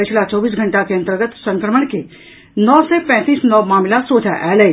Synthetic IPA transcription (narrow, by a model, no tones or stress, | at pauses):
ɪt͡ʃʰlat͡ʃɔːbiːs̬ɡʱɐ̃ɳʈakeɐnt̪əɾɡət̪sɐ̃ŋkɾəməɽ̃ke | nɔːsepɛ̃ːt̪iːsnɔːmaːmɪlasoːd͡ʒʱaʔɛːlə